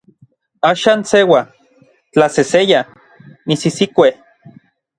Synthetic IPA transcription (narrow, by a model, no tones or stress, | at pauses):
aːʃaːnsewa | t͡ɬaseseja | misisikʷe